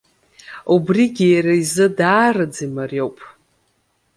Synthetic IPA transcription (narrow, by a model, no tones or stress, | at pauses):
ubriɡʲijaɾaizɨdaːrɨd͡zimarjo̞wpʼ